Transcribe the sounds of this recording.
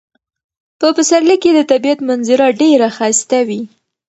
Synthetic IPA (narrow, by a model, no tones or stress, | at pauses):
pəpəsaɾlikːed̪ət̪abiat̪manzɪɾɑɖeɾaxast̪awi